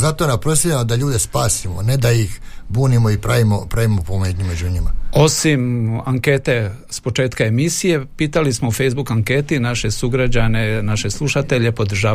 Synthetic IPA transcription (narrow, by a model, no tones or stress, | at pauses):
zat̪onampɾosiemod̪aʎuːd̪espaːsimo̰ned̪ajixbuːnimoipɾaʋimopɾaʋimopomed̪ɲimed͡ʑuɲimao̞simaŋke̞ːt̪e̞ | spo̞t͡ʃe̞ːt̪kae̞misije̞piːt̪alismoufe̞jzbukaŋke̞ːt̪inaʃe̞suɡɾad͡ʑane̞naʃe̞slˠuʃat̪e̞ʎe̞po̞d̪r̩ʒaː